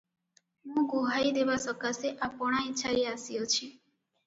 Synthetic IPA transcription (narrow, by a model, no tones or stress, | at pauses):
ɦũɡoɦaid̪eʋasəkaseʔapɔɽ̃aiːt͡ʃʰaɾiasjot͡ʃʰi